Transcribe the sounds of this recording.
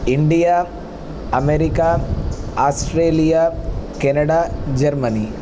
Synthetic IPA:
iɳɖija | ɐmeɾika | aːsʈɾeːlijakenɐɽad͡ʒɐɾmɐni

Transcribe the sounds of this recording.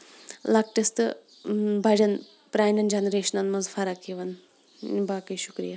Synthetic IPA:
lɐk̚ʈɐst̪ɨ | bʱɐd͡ʒɐn | pɾaːjnɐnd͡ʒɐnɾeːʃɐnɐnmɐzfʰɐɾɐkiʋɐn | baːkɐjʃukɾḭja

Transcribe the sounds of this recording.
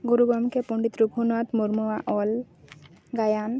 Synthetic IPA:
ɡoɾuɡamkepɔɳɖit̪ɾubʱunat̪moɾmɔwaʔɔl | ɡajan

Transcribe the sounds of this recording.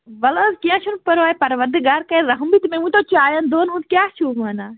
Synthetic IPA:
ʋɐlozkiãːt͡ʃʰunpɐɾaːjpɐɾʋɐɾd̪ɪɡaːɾkɐeɾɐɦmbit̪mẽmũĩt̪ot͡ʃaːjand̪oːnɦũnd̪kʲjaːt͡ʃʰuːmaːnaː

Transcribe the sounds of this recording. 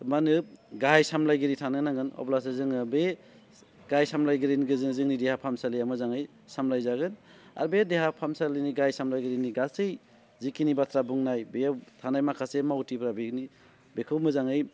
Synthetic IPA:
manɯɡajsamlajɡɯɾitʰanɯnaŋɯnɔ̰blas̬ezɯŋɯbe | ɡajsamlajɡiɾinɡɯzɯzɯŋnidehapʰamsalijamɯzaŋɯj | samlajzaɡɯna̰ɾbedeɦapʰamsaliniɡajsamlajɡɯɾiniɡasɯj | zikinibat̪ʰɾabuŋnajbetʰanajmakʰasemawtipʰɾabini | bekʰɯwmɯzaŋɯj

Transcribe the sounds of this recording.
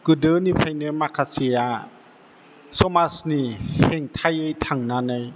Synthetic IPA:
kɯdɯnipʰajnɯmakʰasia | somasniheŋt̪ʰajɯjt̪ʰaŋnanəj

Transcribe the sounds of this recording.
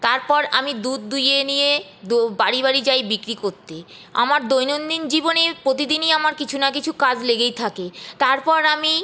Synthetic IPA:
t̪aɾpɔɾamid̪ud̪̚d̪ujenijed̪baɾiβaɾid͡ʑajbikɾikoɾt̪e | a̰maɾd̪ojnond̪ind͡ʑibonepɾot̪̬id̪iniamaɾkit͡ɕʰunakit͡ɕʰukad͡ʑleɡejt̪ʰaket̪aɾpɔɾami

